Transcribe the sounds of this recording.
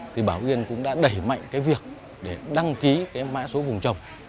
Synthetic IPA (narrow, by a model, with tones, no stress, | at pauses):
t̪ʰi˨˩ɓaː˧˩wʔi˧ənkʊ̰˧˥ŋ͡mɗa̰ː˧˥ɗə˧˩jma̰˧˨jŋ̟kaː˨˦jvi˨˩ək̚ | ɗe˧˩ɗa˧ŋki˨˦kaː˨˦jma̰ː˧˥so˨˦vʊ˨˩ŋ͡mt͡ɕə˨˩wŋ͡m